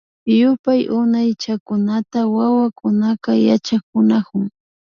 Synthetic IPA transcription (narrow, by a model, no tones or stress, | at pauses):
jʊpajʔʊnajt͡ʃakʊnat̪awawakʊnakaja̰t͡ʃakʊnakʊŋ